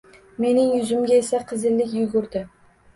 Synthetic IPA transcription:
me̞nɪŋjʊzʊmɡʲae̞saqʰɨzɪlːɪkʲjʊɡʊɾd̪ɪ

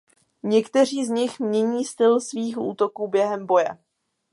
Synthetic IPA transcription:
ɲɛkt̪ɛr̝iːzɲɪxmɲɛɲiːst̪ɪlsviːxʔṵːt̪okuːbjɛɦɛmbo̞jɛ̰

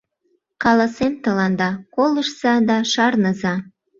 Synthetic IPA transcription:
kɑlɑsemt̪əlɑnd̪ɑkoləʃz̥ɑd̪ɑʃɑrnəzɑ

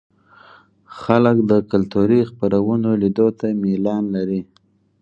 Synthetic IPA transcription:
xaləkd̪əkalt̪uɾixpaɾawənolid̪ot̪amilɑnlaɾi

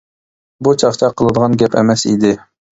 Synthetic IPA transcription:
but͡ʃʰɑχt͡ʃʰɑqʰəlˠɨd̪əʁɑnɡʲɛpʰɛ̰mɛsḭd̪ɪ

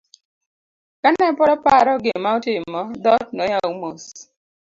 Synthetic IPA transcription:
kanɛpɔɾɔpaɾɔɡemaotɪmɔdɔt̚nɔjaumos

